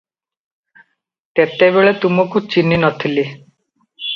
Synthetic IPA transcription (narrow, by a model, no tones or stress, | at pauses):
t̪et̪ebeɭet̪umɔkut͡ʃininɔt̪ʰili